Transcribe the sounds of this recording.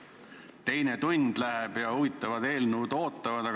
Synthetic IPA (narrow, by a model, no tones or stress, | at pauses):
t̪e̞jne̞t̪unʲd̪̥læɦeb̥jɑuvit̪ːˑɑvɑd̪e̞ːlnuud̪̥o̞ːt̪ːˑɑvɑd̪̥ɑ